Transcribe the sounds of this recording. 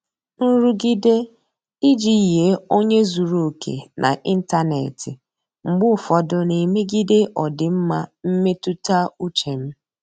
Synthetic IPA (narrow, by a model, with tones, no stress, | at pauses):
nu˦ɾu˦ɡi˦de˦ | i˦d͡ʒi˦˨ɦe˨˦o˦ɲe˦zu˨ɾu˨kʰḛ˨nʔa̰˨ʔi˦n̩˦ta˦nḛ˨tɪ˨ | ŋ͡m̩˨ɡ͡bʊ˦˨fɔ˨dʊ˨ne˨me˦ɡi˦de˦ʔɔ˨dɪ˨m̩˦ma˦m̩˦me˦tu˦ta˦u˦t͡ʃe˨m̩˦